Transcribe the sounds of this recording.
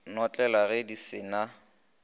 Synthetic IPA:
nɔt͡ɬʼɛlaɣɛdisɪna

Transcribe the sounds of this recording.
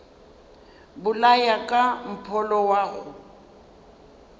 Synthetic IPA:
bʊlajakʼam̩pʰɔlɔwaːɣʊ

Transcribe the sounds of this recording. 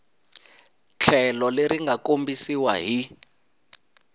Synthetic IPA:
t͡ɬʰɛlɔleɾiŋɡʱakombisiwa̰ɦi

